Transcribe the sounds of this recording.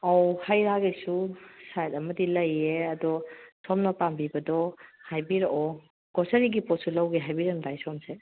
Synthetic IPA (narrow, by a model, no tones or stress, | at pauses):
ɔwhajɾaɡesusajt̚ɐmɐdilɐjeɐdɔsɔmnɔpambibɐdɔhajbiɾɔʔɔ | ɡ̥ɔsaɾiɡipɔt̚sulawɡeɦajbiɾandajsɔmse